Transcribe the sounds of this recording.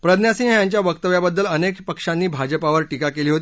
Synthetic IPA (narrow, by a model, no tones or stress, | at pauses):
pɾəd̪njasinjaɲt͡ɕjaʋək̚t̪əʋjabəd̪ːələnekpəkʂanːiːbʱad͡ʑəpaʋəɾʈikakeliːɦot̪i